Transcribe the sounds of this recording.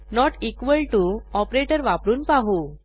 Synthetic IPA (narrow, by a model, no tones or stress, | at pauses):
nɔʈikʋəlʈuɔpɾeʈəɾʋapɾuːnpaɦu